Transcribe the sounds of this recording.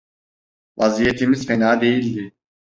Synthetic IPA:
vazijet̪ʰimiz̥fenaːd̪e̞jilʲd̪i

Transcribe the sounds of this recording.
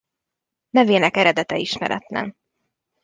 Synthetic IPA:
nɛveːnɛkɛɾɛd̪ɛt̪ɛiʃmɛ̰ɾʔɛ̰t̪nɛ̰n

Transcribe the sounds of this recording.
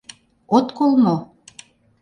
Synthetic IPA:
ot̪kolmo

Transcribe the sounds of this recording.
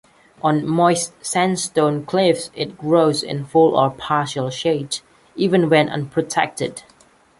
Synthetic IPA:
ʔə̃nmɔɪssæ̃nstõnkʰl̥ɪfsɪt̚ɡ̥ɹoʊzɪ̰̃nfʊlˠə̰pʰɑʃəlˠʃeɪd | iːvə̃nwɛ̃nʔʌ̰̃npʰɹ̥ətʰɛ̰k̚tɪd̥

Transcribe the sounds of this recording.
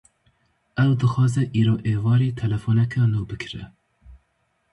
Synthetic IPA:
ɛwd̪ɨxɑːzɛʔiːɾoːʔeːvɑːɾeːt̪ʰɛlɛfonɛkʰɛnuːbɨkʰɾɛ̰

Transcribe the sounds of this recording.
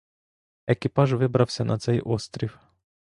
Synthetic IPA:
ekʲɪpɑʒʋɪbɾɐwsʲɐnɐt̪sɛjʔɔst̪ɾʲiw

